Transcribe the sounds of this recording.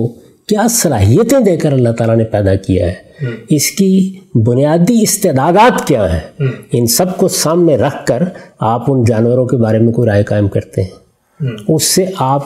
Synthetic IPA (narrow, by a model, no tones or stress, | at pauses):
o | kjaːsɐlaːɦijət̪ẽd̪eːkəɾɐlːaɦt̪aːlanepɛːd̪akija̰ɦɛːɪskibʊnijaːd̪iɪst̪eːd̪aːd̪aːt̪kjaːɦɛ̃ɪnsɐbkosaːmnẽɾɐkʰkəɾaːpʊnd͡ʒaːnwəɾõkebaːɾemẽkoiɾaːjkaːɪmkɐɾt̪eɦɛ̃ː | ʊsːeʔaːp